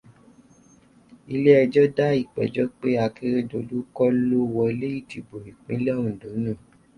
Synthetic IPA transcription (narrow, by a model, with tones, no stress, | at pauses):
i˧le˦ɛ˧d͡ʒɔ˦da˦i˦˨k͡pɛ̰˨d͡ʒɔ˦k͡pe˦a˧ki˦ɾe˦do˨˧˦du˦kɔ˦lo˦˧wɔ˧le˦i˦˨ti˨bo˨ɾi˨k͡pĩ˨˦lɛ˦ũ˨do˨˦nũ˦˨